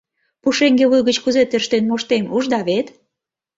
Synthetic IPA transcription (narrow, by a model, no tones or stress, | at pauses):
puʃeŋɡeβujɣət͡ɕkuzet̪eʃt̪enmoʃt̪emuʒd̪ɑβet̪